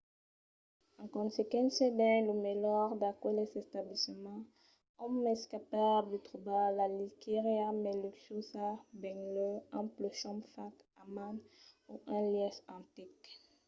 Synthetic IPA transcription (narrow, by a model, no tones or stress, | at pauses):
ɑ̃kɔ̃nsekãsɛbɛ̃ləmelɔʁd̪akwɛlɛsɛst̪ablisəmɑ̃ | ɔ̃mmɛskapad̪it̪ʁubalalikeʁiamɛlyksusabɛ̃ŋløãploʃɔ̃mfak | amanuʔɛ̃ljɛsɑ̃t̪ik